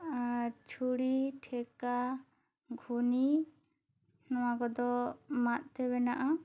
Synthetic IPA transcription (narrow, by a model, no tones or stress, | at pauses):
t͡ʃʰuɽiʈʰɛka | ɡʱuni | nɔwakɔd̪ɔmat̪̚ˀt̪ɛbɛnaʔa